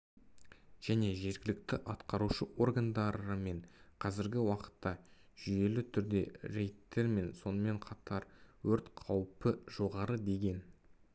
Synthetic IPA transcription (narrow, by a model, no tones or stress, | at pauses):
ʒ̥æne̞ʒe̞ɾɡʲɪlɪk̚t̪ɪʔɑt̪qɑɾuʃəʔo̞rɡand̪ɑɾəme̞ɴqʰɑzɪɾɡʲɪwɑqə̥t̪ːɑʒ̥ʏje̞lɪt̪ʰʏɾd̪e̞ɾe̞jt̪ːe̞ɾme̞nso̞nəme̞ɴqʰɑt̪ʰɑɾwɵɾt̪qʰɑwpəʒo̞ʁɑɾəd̪e̞ɡʲe̞n